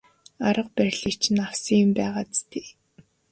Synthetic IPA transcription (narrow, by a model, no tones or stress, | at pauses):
aɾə̆q̚pæɾʲɮikt͡ɕʰɪ̆nawsiŋ̆mpæːʁaːt͡st̪ʰeː